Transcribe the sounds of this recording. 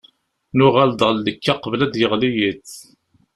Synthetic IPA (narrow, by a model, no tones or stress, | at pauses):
nʊʁald̪ʁəlːəkːaqəvlæd̪jəʁlijiθ